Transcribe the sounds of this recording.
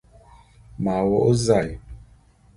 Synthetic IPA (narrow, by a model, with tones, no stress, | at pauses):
ma˨wɔ˦ʔo˦za˦˨j